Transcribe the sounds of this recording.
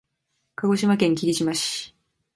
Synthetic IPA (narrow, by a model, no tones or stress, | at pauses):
kaɡo̞ɕimakẽ̞ŋkʲiɾʲiɕimaɕi̥